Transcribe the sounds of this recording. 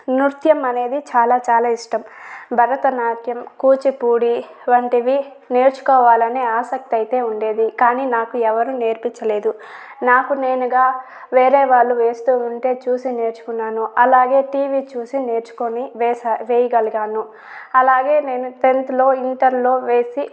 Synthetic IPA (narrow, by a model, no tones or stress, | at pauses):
nuɾt̪jɐmɐne̞ːd̪it͡ʃaːlaːt͡ʃaːlaːiʂʈɐmbʱɐɾɐt̪ɐnaːkjɐmkuːt͡ʃipuːɽi | ʋɐɳʈiʋi | ne̞ːɾt͡ʃu̥kɔːʋaːlɐneaːsɐk̚t̪iɐjit̪e̞ːuɳɖe̞ːd̪ikaːniːnaːkuɛʋɐɾune̞ːɾpiɲt͡ʃɐle̞ːd̪u | naːkune̞ːnuɡaː | ʋe̞ːɾeːʋaːɭːuʋe̞ːst̪uːuɳʈe̞ːt͡ʃuːsine̞ːɾt͡ʃu̥kunːaːnuɐlaːɡe̞ːʈiːʋiːt͡ʃuːsine̞ːɾt͡ʃu̥koniʋeːsaʋeːjiɡɐlɡaːnu | ɐlaːɡe̞ːne̞ːnut̪e̞nt̪lo̞ːiɳʈɐɾlo̞ːʋe̞ːsi